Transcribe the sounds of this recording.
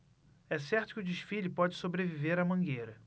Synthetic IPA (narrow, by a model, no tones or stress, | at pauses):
ɛsɛχt̪ʊkɪʊd͡ʒiʃfilʊpɔd͡ʒɪsobɾeviveɾɐmɐ̃ŋɡejɾɐ